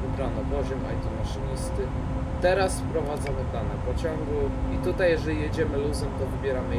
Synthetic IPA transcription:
ubɾanɔbɔʑɔmɔ̰jt̪ɔmaʂɔɲʲist̪ɘ | t̪ɛɾasfpɾɔvad̪zamɘd̪anɛpɔt͡ɕɔŋɡuit̪ut̪ajːɛʐɛlʲijɛd͡ʑɛmɘluzɔmt̪ɔvɘbʲjɛɾamɘ

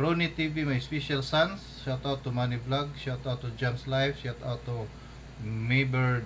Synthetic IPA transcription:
ɾonit̪ivimajspiʃalsans | ʃat̪awt̪ːumaniblaɡ̚ʃat̪awt̪ɔd͡ʒamslajfʃat̪awt̪ɔ | mebɛɹ

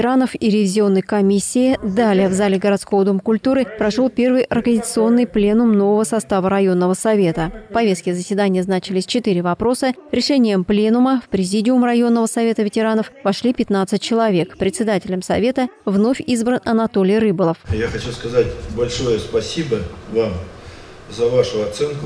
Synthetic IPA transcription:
ɾanəfiɾʲɪvʲɪzʲɪo̞nːəjkɐmʲisʲːɪɪd̪alʲɪjəvzalʲɪɡəɾɐt̪sko̞vəd̪umkʊlʲt̪uɾɨpɾɐʂolˠpʲe̞rvɨjʔɐrkəzʲɪt̪sɨo̞nːɨjplʲe̞nʊmno̞vəvəsɐst̪avəɾɐjo̞nːəvəsɐvʲe̞t̪əfpɐvʲe̞st̪kʲɪzəsʲvʲɪd̪anʲɪjəznat͡ɕɪlʲɪsʲt͡ɕɪt̪ɨɾʲɪvɐpɾo̞səɾʲɪʂɛnʲɪjəmplʲe̞nʊməfpɾʲɪzʲidʲɪʊmrɐjo̞nːəvəsɐvʲe̞t̪əvʲɪtʲɪɾanəfvɐʂlʲipʲɪt̪nat̪sɨt̚ʲt͡ɕɪlˠɐvʲe̞kpɾʲɪt̪sʲɪd̪atʲɪlʲəmsɐvʲe̞t̪əvno̞fʲizbɾənɐnɐt̪o̞lʲɪjrɨbəlˠəfjaxɐt͡ɕuskɐzatʲbɐlʲʂojəspɐsʲibəvam | zɐvaʂʊɐt̪sɛnkʊ

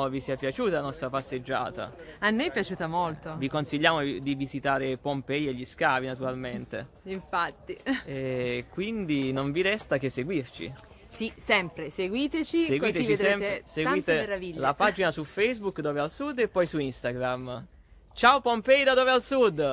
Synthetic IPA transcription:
visiapjat͡ʃuːt̪aanɔst̪ɾapasːed͡ʒːa̰ːt̪a̰ | anːojpjat͡ʃuːt̪amolt̪ovikonsiʎːaːmod̪ivizit̪aːɾepompɛjeʎːiskaːvinat̪uɾalment̪ḛ | iɱfat̪ːiɛkwind̪inoɱviɾɛst̪ak̟eseɡwirt͡ʃḭ | sisɛmpɾeseɡwiːt̪et͡ʃiseɡwit̪et͡ʃid̪sɛmseɡwiːt̪eɾaviʎːlapad͡ʒinasufejzbukd̪ɔːvealsud̪ːepːɔjsuinst̪aɡɾam | t͡ʃaopompɛjd̪ad̪oːvealsud̪ː

